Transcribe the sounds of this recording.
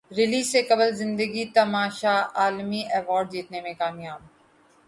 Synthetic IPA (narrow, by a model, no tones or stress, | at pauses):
ɾɪliːsːekɐbəlzɪ̃nd̪əɡit̪ɐmaːʃaaːlmiʔɛʋɔːɾɖ̚d̪iːt̪nemẽkaːmijaːb̚